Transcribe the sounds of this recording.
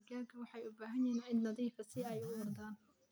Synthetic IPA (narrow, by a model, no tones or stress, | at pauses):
ɡaːɡʰɐwɑħɑjʊbaːɦɐnjɪnɪnnɐðiːfɐsɪɛjʊwɔrd̪aːn